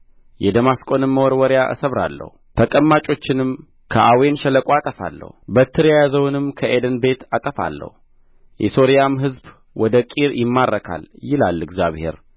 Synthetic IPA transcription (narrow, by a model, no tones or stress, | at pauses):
jɛd̪əmaskʼo̞nɨmːəwɔɾwɔɾjaʔɨ̰səβɾa̰lːə̰hut̪ʰəkʼəmːat͡ʃʼo̞t͡ʃːɪnɨm | kʰəʔawenʃələkʼoat̪ʼəfa̰lːə̰hubət̪ːɨɾjajazəwnɨmkʰəʔed̪ənbe̞t̪at̪ʼəfa̰lːə̰hu | jʔɛso̞ɾjamɦɨzb | wɔd̪əkʼiɾjɪmːarːəkʰa̰ljɪlalːɨɡzja̰βhe̞̰ɾ